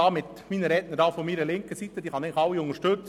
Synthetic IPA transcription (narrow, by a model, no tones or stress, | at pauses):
ɑːmɪt̪miːnəɾɛnəɾdɑːfomiːɾəlɪŋkəsit̪ːəd̥̪iːχɑnæɪɡɪxɑlwːiʊŋəɾʃtɵt͡s